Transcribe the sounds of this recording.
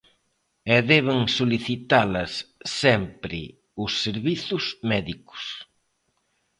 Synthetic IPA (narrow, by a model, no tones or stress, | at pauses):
ɛðɛβɪŋsoliθit̪alɐsːɛmpɾɪ | ʊsːeɾβiθʊzmɛðikʊ̥s